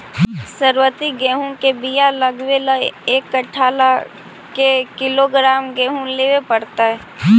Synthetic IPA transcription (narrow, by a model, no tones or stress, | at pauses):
səɾwət̪iɡɛːɦũkebijaləɡwelaeːkːəʈʰaːla | kekɪloɡɾaːmɡɛ̃ːɦũleːwepəɽt̪aɦɛː